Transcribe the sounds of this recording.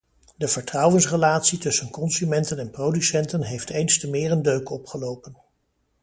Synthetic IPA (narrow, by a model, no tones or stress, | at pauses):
dəv̥əɹtrʌwənsrəlaːtsitɵsənkɔnsymɛntənɛnprowdysɛntənɦejftejnstəmɪːɹəndøɥkɔpχəlowpən